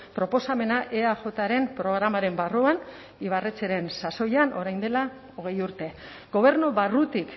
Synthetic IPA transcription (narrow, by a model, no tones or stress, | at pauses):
pɾo̞po̞same̞naʔe̞aʝo̞t̪aɾe̞mpɾo̞ɣ̞ɾamaɾe̞mbaruan | iβaret͡seɾe̞nsaso̞janʔo̞ɾajnd̪e̞la | o̞ɣe̞juɾt̪e̞ | ɡo̞β̞e̞ɾnuβarut̪ik